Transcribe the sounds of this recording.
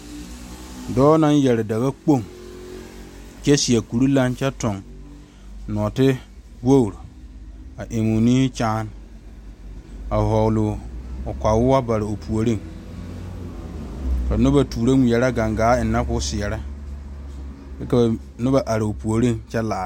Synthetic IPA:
dɔː˦na˦n˦jɛ˨ɾɪ˨da˨ɣa˦k͡po˦˨ŋ | t͡ʃɛ˦si˨ɛ˨ku˨ɾu˦la˦nt͡ʃɛ˦tʊ˨ŋ | nɔ˨tɪ˦wo˦˨ɾ | a˨ʔɪ˨mʊ˨niː˦t͡ʃaː˦n | a˨ɦɔ˨ɣlʊ˨ʊ˨kʷa˨wʊ˦wa˦ba˨ɾɪ˨o˨pʰu˨o˨ɾi˦ŋ | ka˨nʊ˦ba˨tuː˨ɾa˦ŋʷ˨ɛ˨ɾa˦ɡa˨ŋɡaː˨˦ɪ˨nːa˦kʊ˦sɪ˨ɛ˨ɾɛ˦ | kɛ˦ka˨ | nʊ˦ba˨ʔa˨ɾɪ˨o˨pu˨o˨ɾi˦ŋt͡ʃɛ˦laː˨

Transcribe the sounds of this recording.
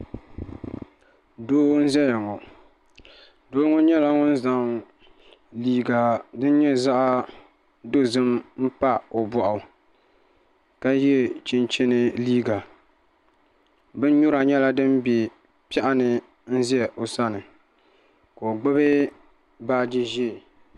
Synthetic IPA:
doː˦n̩˦zɛ˦ja˨ŋɔ˨ | do˦lŋɔ˦ɲɛ˦la˦ŋɔ˦n̩˦za˨ŋ | liː˦ɡa˨dɨ˦n˦ɲɛ˦za˦ʔa˦ | do˦zɨ˦mm̩˦pa˦o˨bɔ˨ʔa˨ | ka˦jɛ˦˨t͡ʃɪ˦nt͡ʃɛ˦nɨ˦liː˦ɡa˨ | bɨ˦n˦ɲʊ˦ɾa˨ɲɛ˦la˦dɨ˦m˦bi˨ | pɛ˦ʔa˦nɨ˨ | n̩˦zi˦ɛ˨ʔo˨sa˦nɨ˨ | ka˨o˨ɡ͡bɨ˦bɨ˦ | baː˦d͡ʒɪ˦ʒi˦˨

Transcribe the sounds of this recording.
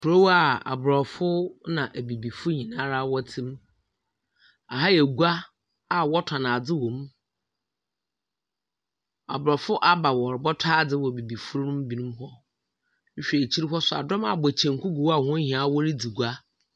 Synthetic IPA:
kʰʊ˨ɾo˦wa˨a̰˨bɾɔ˨fʊ˦nã˨ʔæ˨bi˨bi˨fʊ˦ɲĩ˨nãː˦ɾa˦wɔ˦tʰĩ˦m˦ | a˨ɦa˦jɛ˨ɡu˦a˦ | a˨wɔ˦tʰa˨nã˨d͡zɪ˦wɔ̃˨mũ˦ | a̰˨bɾɔ˨fʊ˦ʔa˦ba˨wɔ˨ɾɪ˨bɔ˦tʰaː˦d͡zɪ˦wɔ˨bi˨bi˨fu˦ɾnʊ̃˦m˦bi˨nũ˦m˦ɦɔ˦ | n̩˦ɕᶣi˨e˨t͡ɕʰi˦ɾi˦ɦɔ˦sʊ˨a̰˨dɔ̃˦ma˨bɔ˨t͡ɕʰɛ̃˨ŋ̩˨kʰu˦ɡu˨wa˦˨hʊ̃˦hĩ˨a˨˦wɔ˦ɾi˦d͡zi˨ɡu˦a˦

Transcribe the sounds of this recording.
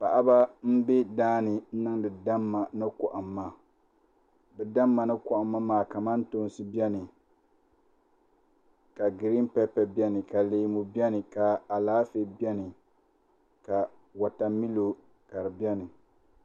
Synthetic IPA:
pa˨ʔa˦ba˦m̩˦bɪ˦daː˦nɨ˨˦nɨ˦ŋdɨ˨da˦mːa˨nɨ˦kʊ˨ʔa˨mːa˦˨ | bɛ˨da˦mːa˨nɨ˦kʊ˨ʔa˨mːa˦maː˨ka˨ma˦n˦to˦nsɨ˦bɛ˦nɨ˨ | ka˨ɡi˨ɾi˦m˦pɛ˦pɛ˦bɛ˦nɪ˨ka˨leː˨mu˨bɛ˦nɨ˨ka˨a˨laː˦fe˦bjɛ˦nɪ˨ | ka˨ | wa˨ta˨mi˦lo˦ | ka˨ɾɨ˨bjɛ˦nɨ˨

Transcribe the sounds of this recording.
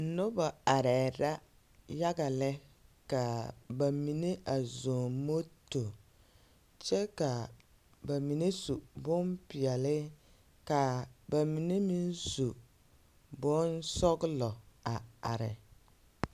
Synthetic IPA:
n̩˨nʊ˦ba˨a˨ɾɛː˨ɾa˦ | ja˦ɡa˨lɛ˦ka˨ba˨mi˨ne˦ʔa˨zoː˨mo˦to˨ | t͡ʃɛ˦ka˨ | ba˨mi˨ne˦su˨bʊ˦mpɪ˨ɛ˨lɪ˦ | ka˨ba˨mi˨ne˦mi˦n˦su˨ | bʊ˦n˦sɔ˦ɡlɔ˨a˨a˨ɾɪ̰˨

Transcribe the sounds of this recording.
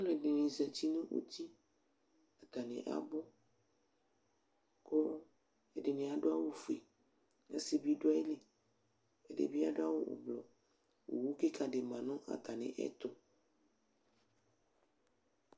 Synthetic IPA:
a˦lɛ˨de˨nẽ˨zɛ˨t̪i˦nũ˦ʔṵ˨t̪i˦ | a˨t̪a˨nḛ̃˨ʔa̰˨bɔ˦ | ko˦ | e˨ɖe˨nẽ˨a˨ɖo˦a˦wo˨fu˨e˨ | ḛ˦si˨bi˦ɖo˦e˦le˨ | e˨dḛ˨bi˦a˦ɖo˦a˦wo˦ʔo̰˨blɔ˨ | wo̰˨wu˦ke˦ka˨ɖe˨mã˨nɔ̃˦ʔa̰˨t̪a˨nḛ̃˨ʔɛ̰˦t̪o˦

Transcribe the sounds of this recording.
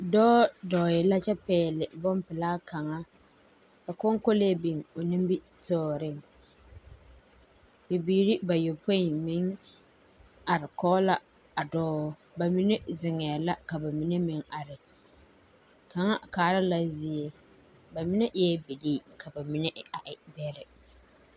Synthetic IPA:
dɔː˦dɔː˨jɪ˨la˦t͡ʃɛ˦pɛː˨lɪ˨bɔ˦mpɪ˨laː˦ka˨ŋa˦ | ka˨kɔ˦ŋko˦le˦bɪ˨ŋo˨nɪ˦m˦bi˦ | tɔː˦ɾɪ˦˨ŋ | bi˨biː˨ɾi˦ba˨jo˨po˦˨mɪ˦ŋ | a˨ɾɪ˨kɔː˦la˦ | a˨dɔː˦ | ba˨mi˦ne˦zɪ˨ŋɛː˨la˦ka˨ba˨mi˨˦ne˦mɪ˨ŋa˨ɾɪ˨ | ka˨ŋa˦kaː˨ɾa˦la˦zɪ˦e˦ | ba˨mi˦ne˦jɛ˦bi˨liː˦˨kʰa˨ba˨mi˦nɛ˦ʔa˨ʔɪ˨bɛ˦ɾɪ˨

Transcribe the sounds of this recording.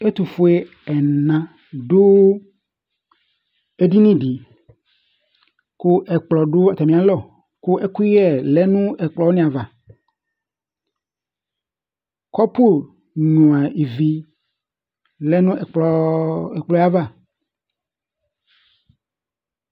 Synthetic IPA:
e˦t̪u˨fu˨e˨ | ɛ˨nã˨ | ɖo˦ | e˦ɖi˦nĩ˦ɖi˨ | ku˦ʔɛ˨k͡plɔ˨ɖo˦a˨t̪a˨mĩ˨a˦lɔ˦˨ | ku˦ʔɛ˦ku˦ɛ˦˨lɛ˦nũ˦ʔɛ˨k͡plɔ˨wo˦nĩ˦a˨va˨ | kɔ˦pu˦ | ɲũ˨a˨i˨vi˨ | lɛ˦nũ˦ɛ˨ɛ˨k͡plɔ˨˦a˦va˦˨

